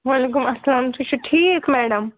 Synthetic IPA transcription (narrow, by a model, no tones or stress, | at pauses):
ʋɐlek̬ʊmɐsɐlaːmt̪ʰut͡ʃuʈʰiːkmɛːɖɐm